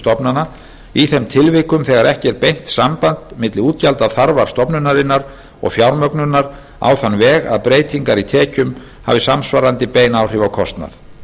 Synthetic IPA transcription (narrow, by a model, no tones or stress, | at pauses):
t̪ɔpnana | iθɛmt̪ʰɪlvɪkʏmθɛɣaɾɛhcɪɛɾpejn̥t̪sampant̪mɪt̪lɪuːt̪calt̪aθaɾvaɾ̥st̪ɔpnʏnaɾɪnːaɾ | ɔ̰ɣfjawɾmœknʏnːaɾ | a̰wθanvɛːɣa̰ðpɾeːjt̪ʰiŋkaɾit̪ʰɛːcʏm | ha̰vɪsamsvaɾant̪ɪpeːjnawr̥ɪvawkʰɔst̪na̰θ